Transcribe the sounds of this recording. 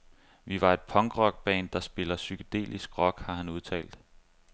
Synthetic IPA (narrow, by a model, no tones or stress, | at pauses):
ʋiʋɑ̈e̝d̥̚pʰɒ̽ŋɡ̥ʁɒ̽ɡ̥̚b̥ɛ̰ːnd̥ɑ̈sb̥e̝lɐsykʰod̥e̝̰ːlisɡ̥ʁɒ̽ɡ̥hɑ̈hænuð̞ˠt͡sʰɛ̰ːld̥